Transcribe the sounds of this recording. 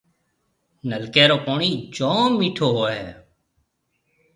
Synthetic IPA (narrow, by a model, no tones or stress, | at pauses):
nəlkeːɾoːpoːɳiːd͡ʒõːmːiːʈʰoːɦoːɦeː